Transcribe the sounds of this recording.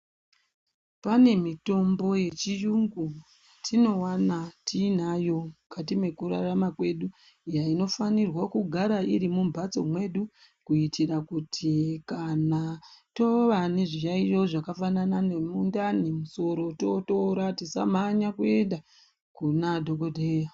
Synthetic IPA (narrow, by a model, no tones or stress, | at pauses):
pane̞mito̞mbo̞je̞t͡ʃijuŋɡu | tʰino̞wanatʰinajo̞mkatime̞kuɾaramakwe̞ɗu | jaino̞fanirwakuɡʱaɾaiɾimumbʱat͡so̞̰mwe̞ɗu | kuitʰirakutʰikanato̞ʋaniʐijaijo̞ʐakafananane̞mundanemuso̞ɾo̞toto̞ɾatisa̰maɲakue̞nda | kunadʱo̞ɡodʱeja